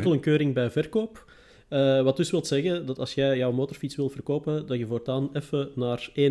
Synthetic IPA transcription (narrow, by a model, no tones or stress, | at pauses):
kəlˠənkøːɾɪŋbɛjvɛrkoːp | əʋɑtdɵsʋɪlˠtsɛɣədɑtɑlˠsjɛjjœwmoːtɔrfitsʋɪlˠtvərkoːpədɑtjəvoːrtaːnɛfənaːreː